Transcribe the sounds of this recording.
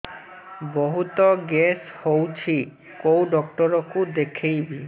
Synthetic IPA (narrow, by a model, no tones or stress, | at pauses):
boɦut̪ɔɡeshowt͡ʃʰi | kowɖɔk̚ʈɔɾɔkud̪ekʰejbi